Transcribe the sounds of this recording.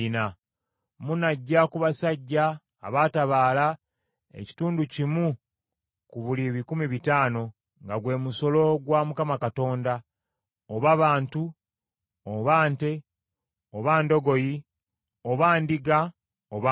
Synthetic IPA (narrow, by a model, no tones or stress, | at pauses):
na | munaɟːakuβasaɟːa̰ː | βataβaːla | ḛci̥tuːnducimu | kuβuliβikumiβitaːno̞ | ŋɡaɡwe̞ːmuso̞lo̞ɡwamukamakato̞ːnda | oβaβaːntu | oβaːnte̞ | oβaːndo̞ɡo̞ji | oβaːndiɡa | oβa